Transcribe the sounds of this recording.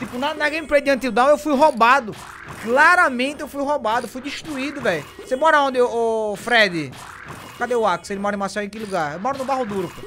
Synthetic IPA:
t̪ipʊnad̪ɐnaɡẽpɾed̪iɐ̃nt̪̬ɪ̃ud̪ãw̃ewfujɦobad̪ʊ | klaɾɐmẽnt̪ɪewfujɦobad̪ʊfujd̪iʃt̪ɾuid̪ʊvɛjʊ | semɔɾaõnd̪ɪʊːfɾɛd̪ɪ | kad̪ewakɪ̥selɪmɔɾɐẽmasɛwẽkɪluɡaɾewmɔɾʊnʊbaɦʊd̪uɾʊpɐ

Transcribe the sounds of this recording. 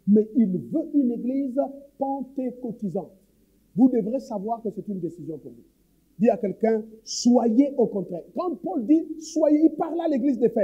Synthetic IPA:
mɛilvøʔyneɡlizpɑ̃t̪ekot̪izɑ̃t̪ | vud̪əvʁiesavwaʁkəsɛt̪ynd̪esizjɔ̃puʁvu | d̪iakɛlkɛ̃swajeʔokɔ̃t̪ʁɛːʁkɑ̃pɔld̪iswajeilpaʁlaleɡlizd̪efɛ

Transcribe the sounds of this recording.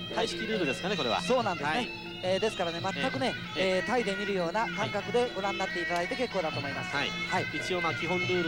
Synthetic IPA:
t̪aiɕi̥kʲiɾɯ̟ːɾɯ̟d̪e̞sɨ̥kaneko̞ɾe̞̰βa̰so̞ːnãnd̪sne | eːd̪esɨ̥kaɾane̞mat̪ːakɯ̟ne̞ː | t̪aid̪e̞mʲiɾɯ̟jo̞ːnakãŋkakɯ̟d̪e̞ɡo̞ɾãnːat̪ːe̞it̪ad̪ait̪eke̞kːo̞ːd̪at̪o̞ːmo̞imasɨ̥ihaiit͡ɕio̞ːmakʲiɦõ̞nɾɯ̟ːɾɯ

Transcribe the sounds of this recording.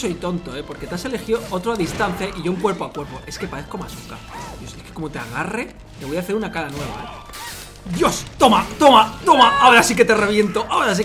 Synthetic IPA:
so̞jt̪o̞nt̪o̞e̞po̞ɾke̞t̪ase̞le̞xiðoot̪ɾoaðist̪anθjaʔiʝouŋkwe̞ɾpoakwe̞ɾpo̞ʔe̞ske̞paðe̞θko̞masuka̰joseskeko̞mo̞t̪e̞a̰ɣ̞are̞ | me̞βo̞jaθe̞ɾunakaɾanwe̞βa̰ | d̪jo̞st̪o̞mat̪o̞mat̪o̞maʔaoɾasike̞t̪e̞re̞β̞je̞nt̪o̞ʔaoɾas̬i

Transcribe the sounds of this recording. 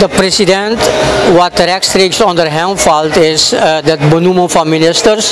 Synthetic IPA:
dəpɾɛsidɛ̃ntwɔtɾɛkstɾiksɔ̃ndəɹɦɛ̃mfaltɪsdətbənuməfɔnmɪnɪstəɹs

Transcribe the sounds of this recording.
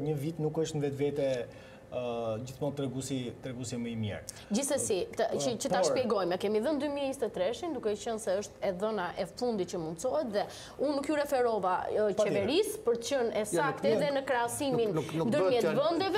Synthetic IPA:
ɲəvit̪nukəʃt̪nvɛt̪vɛt̪ɛ | d͡ʑiθmɔnt̪ːɾɛɡusit̪ɾɛɡusɛməimjɛ̰ɾ | d͡ʑisəsit̪ət͡ʃətp̪t̪aʃpjɛɡɔjmɛkɛmiðənd̪ymiɲist̪ɛt̪ɾɛʃind̪ukɛɛcənsɛəʃt̪ɛðɔnaʔɛfund̪it̪̚t͡ʃəmund̪sɔɦɛt̪ðɛ | unːukjurɛfɛɾɔvat͡ʃɛvɛɾispəɾt̪t͡ɕənɛsakt̪ɛðɛnəkɾɛasinmind̪əɾmɛt̪vənd̪ɛvɛ

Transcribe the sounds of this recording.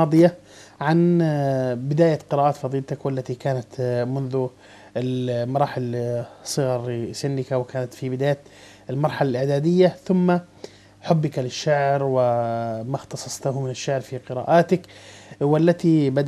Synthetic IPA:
ɑːd̪ˤɨja | ʕan | bɪd̪aːjaqɪɾaːʔaːt̪fɑðˤiːlt̪akwalːat̪ikaːnat̪mʊnðʊ | ɪmɑɾˤɑːħɪlsˤɨɣɑɾˤsɪnːɪkawɪkaːnat̪fibɪd̪aːjat̪ | ɪlmɑɾˤħalalʔɪʕd̪aːd̪ɪjːaθʊmːa | ħʊbːɪkalɪʃːaʕɾwɪmaxt̪ɑsˤɑsˤt̪ahmɪnɪʃːaʕɾfiqɪɾa̰ːʔaːt̪ɪkwalːat̪ibad̪

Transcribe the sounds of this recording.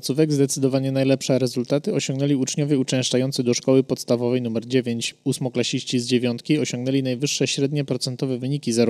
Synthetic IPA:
t̪suvɛɡzd̪ɛt̪sɘd̪ɔvaɲɛnajlɛpʂɛɾɛzult̪at̪ɘɔɕɔ̃ŋɡnɛlʲiut͡ʂɲɔvʲjɛut͡ʂɛ̃w̃ʂt͡ʂajɔnt̪sɘd̪ɔʂkɔwɘpɔt̪st̪avɔvɛjnumɛɾd͡ʑevʲjeɲt͡ɕusmɔklaɕiɕt͡ɕizd͡ʑevʲjɔnt̪kʲiɔɕɔŋɡnɛlʲinajvɘʂːɛɕɾɛd̪ɲɛpɾɔt̪sɛnt̪ɔvɛvɘɲikʲizaɾ

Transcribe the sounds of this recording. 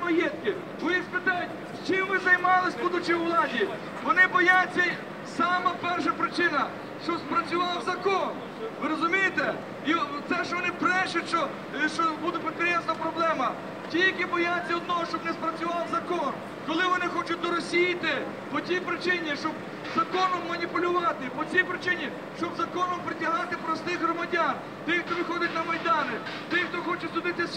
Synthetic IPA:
mɔjɛt̪kɪ | ɔjispɪt̪ɑjʊtʲ | st͡ʃɪmʋɪzɐjmɑlˠɪsʲbud̪ʊt͡ʃɪʋlˠɑdʲi | ʋɔnɪbɔjat͡sʲːɐ | sɑmɐpɛrʃɐpɾɪt͡ʃɪnɐ | ʃt͡ʃɔspɾɐt͡sʲʊʋɑwzɐkɔn | ʋɪɾɔzʊmʲijɪt̪ɛ | it̪sɛʃt͡ʃɔʋɔnɪpɾɛʃʊtʲʃt͡ʃɔ | ʃt͡ʃɔbud̪ʊpekɾʲɛnsnɐpɾɔblˠɛmɐ | tʲijljɐkibɔjat͡sʲːiɔd̪̚nɔɦɔʃt͡ʃɔbnɛspɾɐt͡sʲʊʋɑwzɐkɔn | kɔlˠɪʋɔnɪxɔt͡ʃʊt̚ʲd̪ɔɾɔsʲijit̪ɪ | pɔt͡s̪ʲtʲijpɾɪt͡ʃɪnʲiʃt͡ʃɔb | zɐkɔnɔmːɐnʲipʊlʲʊʋɑt̪ɪpɔt͡sʲijpɾɪt͡ʃɪnʲi | ʃt͡ʃɔbzɐkɔnɔmpɾɪtʲɐɦɑt̪ɪpɾɔst̪ɪɣɦɾɔmɐdʲan | t̪ɪxt̪ɔʋʲɪxɔdʲɐt̚ʲnɐmɐjd̪ɑnɪ | t̪ɪxt̪ɔxɔt͡ʃɛtʲsʊd̪ɪt̪ɪ

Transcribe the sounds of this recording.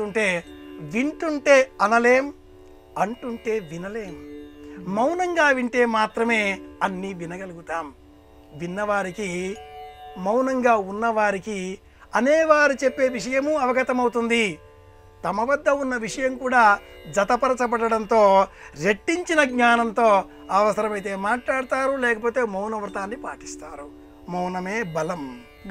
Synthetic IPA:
uɳʈe̞ːʋiɳʈuɳʈe̞ːɐnɐleːm | ɐɳʈuɳʈe̞ːʋinɐle̞ːm | mɐwnɐŋɡaːʋiɳʈe̞ːmaːt̪ɾɐme̞ːɐnːiːʋinɐɡɐluɡut̪aːm | ʋinːɐʋaːɾiki | mɐwnɐŋɡaːunːɐʋaːɾiki | ɐneːʋaːɾit͡ʃepːe̞ːʋiʂɐjɐmuɐʋɐɡɐt̪ɐmɐwt̪und̪i | t̪ɐmɐʋɐd̪ʱːɐunːɐʋiʂɐjɐmkuːɽaːd͡ʒɐt̪ɐpɐɾɐt͡ʃɐpɐɽɐɽɐnt̪o̞ːɾe̞ʈːiɲt͡ʃinɐɡɲaːnɐnt̪o̞ː | ɐʋɐsɐɾɐmɐjt̪̬e̞ːmaːʈlaːɽut̪aːɾulɛːkɐpo̞ːt̪e̞ːmɐwnɐʋɾt̪aːnːipa̰ːʈi̥st̪aːɾu | mɐwnɐmeːbɐlɐm

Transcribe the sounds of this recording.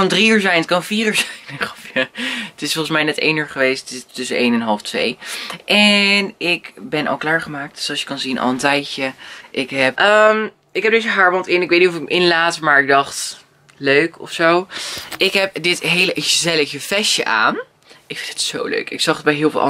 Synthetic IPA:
ɑndriyːɹzɛjnətkɑnənfiːryːɹzɛjnfaətɪsfɔlˠχəsmɛjnɛtḛjnyːɹχəʋejsttɪtːʏsənejnɛnɦɑlˠftʋḛjʔɛnɪkbɛnʔɑ̰lˠklaːɹχəmaːk̚tslˠsjəkɑnzinʔɑ̰lˠəntɛjcəʔɪkɦɛp̚ʔəm | ɪkɦɛp̚dɪtjəɦaːɹmɑntɪnɪkʋejtnitɔfɪkəmʔɪnlaːtmaːɹɪɡ̚dɑχt | løɥkɔ̰fsowʔɪkɦɛp̚dɪtɦejləʔzɛləfjəfɛʃjə̰ʔa̰ːn | ɪkfɪnd̥ɪ̥tso̰wlø̰ɥkɪ̰ksɑχət̚bɛjɦɪːlˠfɪ̰lˠɑ̰

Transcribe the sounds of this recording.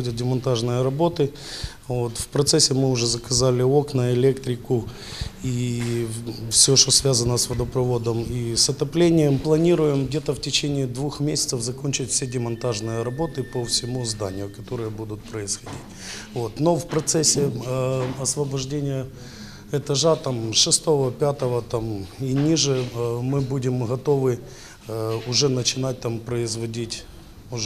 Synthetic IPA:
odʲət̪̚dʲɪmɐnt̪aʐnɨjəɾɐbo̞t̪ɨ | vo̞t̪fpɾɐt̪sɛsʲːɪmɨʊʐɛzəkɐzalʲɪo̞knəɪlʲe̞kt̪ɾʲɪkʊ | i | fsʲoʂt̪osvʲazənəsvəd̪əpɾɐvo̞d̪əmisɐt̪ɐplʲenʲɪjəmplˠɐnʲiɾʊjɪmɡdʲe̞t̪əftʲɪt͡ɕenʲɪːd̪vuxmʲesʲɪ̥t̪səfzɐkonʲt͡ɕɪtʲfsʲedʲɪmɐnt̪aʐnɨjəɾɐbo̞t̪ɨpəfsʲɪmuzd̪a̰nʲɪjʊkɐt̪o̞ɾɨjəbud̪ʊt̪̚pɾəɪsxɐdʲḭtʲ | vo̞t̪no̞fpɾɐt̪sɛsʲːɪ | ɐsvɐbɐʐdʲenʲɪjə | ɛt̪ɐʐat̪amʂɨst̪o̞vəpʲat̪əvət̪aminʲiʐɨmɨbudʲɪmɣɐt̪o̞vɨ | ʊʐɛnət͡ɕɪnat̚ʲt̪ampɾəɪzvɐdʲitʲ | ʊ

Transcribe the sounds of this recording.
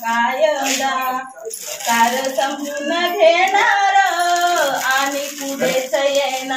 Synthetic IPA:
kaːjənd̪a | kaːɾəsɐmunəɡ̪ʱeːnaɾə | aːnikub̪esəjena

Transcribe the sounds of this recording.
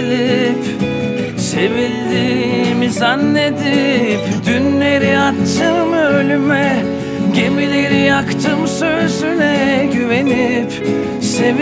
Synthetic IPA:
lip | se̞vilʲd̪iːmizanːe̞d̪ipd̪ynle̞ɾiat̪t͡ʃʰɯmølʲymɛ | ɟe̞milʲeɾijakt̪ʰɯmsøzynɛɟyve̞nip | se̞v

